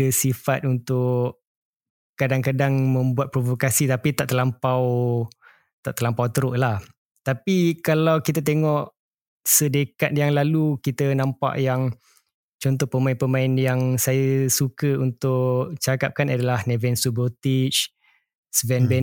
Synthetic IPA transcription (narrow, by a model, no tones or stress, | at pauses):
əsifat̪̚unt̪ʊʔ | kadaŋkadaŋmə̃mbuat̪̚pɾovokasit̪apit̪aʔt̪əlampaw | t̪aʔt̪əlampawt̪əɾʊʔlah | t̪apikalawkit̪ət̪̬eŋɔʔ | sədekat̪̚jaŋlalukit̪ənãmpa̰ʔjaŋ | t͡ʃɔnt̪̬ɔhpəmaɪnpəmãɪnjaŋsajəsukəunt̪ʊʔʔt͡ʃakap̚kanadalahnevɛnsubət̪it͡ʃ | svɛnbɛ